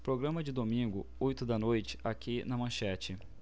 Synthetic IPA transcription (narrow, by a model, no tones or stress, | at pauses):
pɾoɡɾɐ̃mɐd͡ʒɪd̪omĩɡʊojt̪ʊd̪ɐnojt͡ʃɪ̥akʲinɐmɐ̃ʃɛt͡ʃɪ